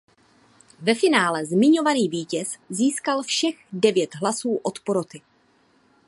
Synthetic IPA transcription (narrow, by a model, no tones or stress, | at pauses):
vɛfɪnaːlɛzmɪɲo̞vaniːviːcɛsziːskalfʃɛɣdɛvjɛt̪ɦlasuːʔo̞t̪poɾot̪ɪ